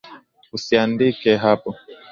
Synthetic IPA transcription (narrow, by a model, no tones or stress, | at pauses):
usiandikɛɦapɔ